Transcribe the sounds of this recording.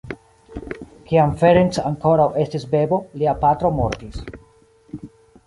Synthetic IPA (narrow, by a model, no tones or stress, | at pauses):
kiamfeɾensaŋko̞ɾawʔe̞stisbe̞bo̞liapatɾo̞mo̞̰ɾtis